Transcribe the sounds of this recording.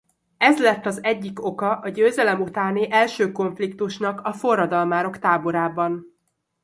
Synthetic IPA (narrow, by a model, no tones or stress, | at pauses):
ɛzlɛt̪ːɒzɛɟːiko̞kɒʔɒɟøːzɛlɛmut̪aːniʔɛlʃøːko̞ɱflik̚t̪uʃnɒkɒfo̞rːɒd̪ɒlmaːɾo̞kt̪aːbo̞ɾaːbɒn